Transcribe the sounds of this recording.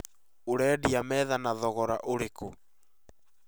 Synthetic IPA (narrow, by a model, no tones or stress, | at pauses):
oɾɛːdiamɛːðanaðɔɣɔɾaʔoɾeko